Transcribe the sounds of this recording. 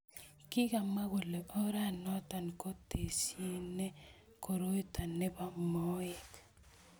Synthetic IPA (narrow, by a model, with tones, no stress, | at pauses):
kɪ˦ka˨ma˦ɣo˨le˨o˦ɾa˦˨nɔ˦ta˨nko˦te˨se˦ne˦ | ko˨ɾo˦i˦ta˨ne˦ba˨mɔ˦e˨k